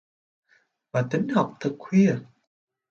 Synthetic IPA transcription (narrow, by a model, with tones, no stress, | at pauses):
vaː˨˩t̪ï˨˦ŋ̟ha˨˩wk͡p̚t̪ʰɨ˨˩k̚hwi˧ə